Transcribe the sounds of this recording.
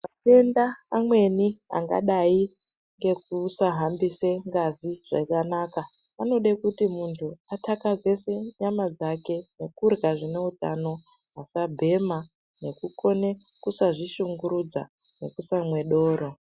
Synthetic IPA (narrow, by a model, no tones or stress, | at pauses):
atendaːmwe̞nia̰ŋɡa̰ɗai | ŋɡe̞k̚usaɦambiseŋɡaziʐ̥akanaka | ano̞ɗakutimuntʰuatakaze̞se̞ɲamad͡zake̞ne̞kurɡaʐine̞uta̰no̞ɦasabʱe̞ma | ne̞kuko̞ne̞kusaʐiʃuŋɡuɾud͡za̰ne̞̰kusamwe̞ɗo̞ːɾo̞